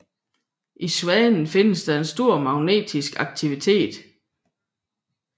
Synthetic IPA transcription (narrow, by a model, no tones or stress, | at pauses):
ʔisuɛnn̩fe̝nəsd̥ɑ̈e̝nsd̥o̝ɐ̰mɑ̈ʊne̝̰ːd̥ʰisɡ̥ɑ̈ɡ̥̚t͡sʰiʋit͡sʰe̝̰ːd̥